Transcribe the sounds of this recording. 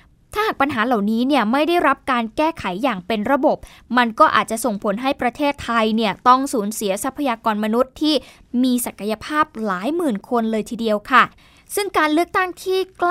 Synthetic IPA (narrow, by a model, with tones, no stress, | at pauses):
t̪ʰa˥˩haː˨˩k̚pa˧nɦaː˩˦la˨˩wniː˦˥ni˥˩əma˥˩jda˥˩jɾa˦˥p̚kaː˧nkɛː˥˩kʰa˩˦jːaː˨˩ŋpe˧nɾa˧bo˨˩p̚ma˧nkɔː˥˩ʔa̰ː˨˩t̪̚t͡ɕa˨˩ʔso˨˩ŋpʰo˩˦nɦa˥˩jpɾa˧t̪ʰeː˥˩t̪ʰːa˧jni˥˩ɐt̪ɔ˥˩ŋsuː˩˦nsi˩˦ɐsa˦˥pʰːa˧jaː˧kɔː˧nma˧nu˦˥t̪ʰːiː˥˩ | miː˧sa˨˩kːa˧ja˧pʰaː˥˩p̚laː˩˦jmɯː˨˩nkʰo˧nlɤː˧jt̪ʰiː˧di˧əwkʰa˥˩ | sɯ˥˩ŋkaː˧nlɯ˥˩ək̚t̪a˥˩ŋt̪ʰiː˥˩kl